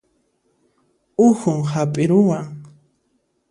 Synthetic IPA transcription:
ʊxʊŋhapʼɪɾʊwaŋ

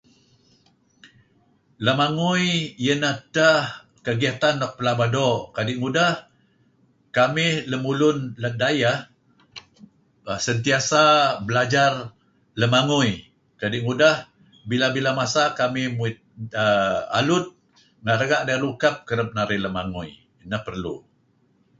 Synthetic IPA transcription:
ləmaŋujjənahtah | kəɡiat̪anːɔk̚pəlabadokadɪʔŋudah | kamɪhləmulʊnlət̪̚dajah | sənt̪iasabəlad͡ʒar | ləmaŋuj | kadɪʔŋudah | bilabilamasakamɪhmuɪt̪̚əa̰lʊt̪̚ | ŋaɾəɡaʔdalukap̚kəɾəp̚naɾɪləmaŋui | nahpərlṵ

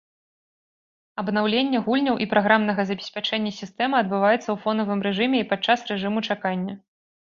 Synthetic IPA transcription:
ɐbnawlʲenʲːɐɣulʲnʲɐwʔipɾaɣɾamnɐɣɐzɐbʲɛsʲpʲat͡ʂɛnʲːɐsʲist̪ɛmɨɐd̪̚bɨvajɛt̪sːɐwfɔnɐvɨmɾɛʐɨmʲɛipat͡ʂːasrɛʐɨmut͡ʂakanʲːɐ

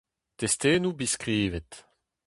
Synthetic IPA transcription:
t̪est̪eːnubiskʁiːvɛt̪

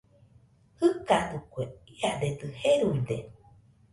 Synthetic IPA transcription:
hɨkad̪ukweiad̪ed̪ɨheɾuid̪e

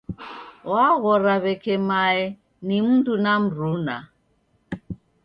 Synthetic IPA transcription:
waɣɔɾaβɛkʰɛmaɛ | nim̩ntunam̩runa

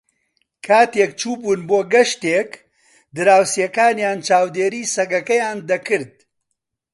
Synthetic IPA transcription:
kʰaːt̪ekt͡ʃʰuːbuːnboːɡɐʃt̪eːk | d̪ɨɾaːwsijɐkaːnjaːnt͡ʃaːwd̪eːɾiːsɐɡɐkɐjaːnd̪ɐkɨɾd̪̚

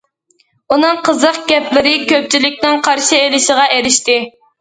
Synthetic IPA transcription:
unɨŋqʰəzəqɡ̥ʲɛplɪɾɪkʲʰøp̚t͡ʃʰilɪkʲnɪŋqʰɑɾʃielɪʃɪʁɑʔeɾɪʃt̪ɪ

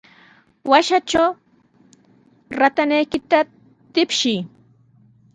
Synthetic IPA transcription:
waʃat͡ʃaw | ɾat̪anajkɪt̪a | t̪ɪpʃɪj

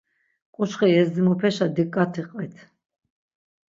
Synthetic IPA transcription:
kʼuʃχiɛsd͡z̪ɛmɔpʰɛʃad̪ikʼːat̪ʰiqʼvɛt̪ʰ

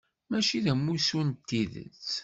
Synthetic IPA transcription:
mæʃiðæmːusunt̪ːiðə̰t͡sː

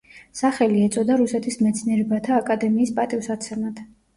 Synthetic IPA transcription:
saχɛliɛt̪sʼɔd̪aɾusɛt̪ʰismɛt̪sʰniɛɾɛbat̪ʰaːkʼad̪ɛmiːspʼat̪ʼifsat̪sʰɛmat̪ʰ

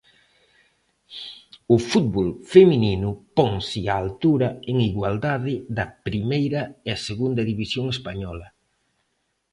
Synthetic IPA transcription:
ʊfut̪̚βɔlfemininʊpɔŋsɪaːlt̪uɾɐeŋiɣwald̪aðɪðɐpɾimejɾɐeɐseɣund̪ɐðiβisjoŋespaɲɔlɐ

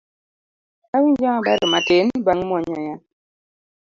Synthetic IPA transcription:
awiɲd͡ʒamabaɾɛmatenbaŋmɔɲɔja

